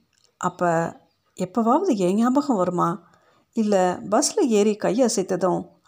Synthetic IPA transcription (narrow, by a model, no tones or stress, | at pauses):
ʔɐpːɐ | ɛpːɐʋaːʋɐðɯɛːŋjaːbɐɣɐ̃ʋɐɾɯmaː | ɪlːɛbɐslɐjeːɾikɐjːɐɐsɐɪt̪ːɐðõː